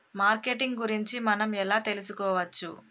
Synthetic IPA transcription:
maːɾke̞ʈiŋɡɡuɾiɲt͡ʃimɐnɐmɛlaːt̪e̞lusukɔːʋɐt͡ʃːṵ

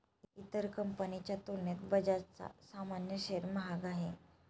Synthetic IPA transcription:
iit̪əɾkəmpənit͡ɕjat̪oljat̪bəd͡ʑat͡sa̰samanjəɕeɾməɦaɡaɦe

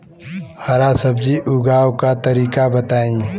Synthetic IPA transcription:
hɐɾasɐbd͡ʒiʔʊɡaːwkat̪ɐɾiːkabɐt̪aːĩː

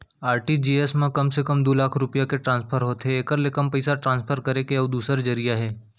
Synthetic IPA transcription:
aːɾʈid͡ʒiːesmẽkɐmsekəmd̪oːlaːkʰɾʊpijakeʈɾãːnspʰəɾɦoːt̪ɦɛeːkəɾlekəmpɐɪsaʈɾãːnspʰəɾkɐɾekeɔːd̪uːsəɾd͡ʒɐɾijaɦɛː

